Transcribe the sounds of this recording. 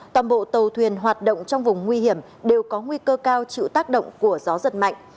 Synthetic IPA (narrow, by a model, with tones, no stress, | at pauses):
t̪waː˨˩nɓo̰˧˨t̪ə˨˩wt̪ʰwi˨˩ənɦwaː˨˩t̚ɗo̰˧˨wŋ͡mt͡ɕɔ˧wŋ͡mvʊ˨˩ŋ͡mŋwi˧hi˧˩əm | ɗe˨˩wkɔ˨˦ŋwi˧kəː˧kaː˧wt͡ɕḭ˧˨wt̪aː˦˥k̚ɗo̰˧˨wŋ͡mku˧˩əzɔ˨˦zə˨˩t̚ma̰˧˨jŋ̟